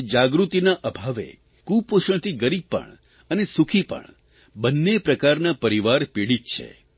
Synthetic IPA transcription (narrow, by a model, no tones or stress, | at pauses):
d͡ʒaɡɾut̪inaʔəbʱaʋḛ | kupoʃəɳt̪ʰiɡəɾib̚pə̰ɳ | ənesukʰipə̰ɳ | bənːepɾəkaɾnapəɾiʋaɾpiɽit̪t͡ʃʰḛ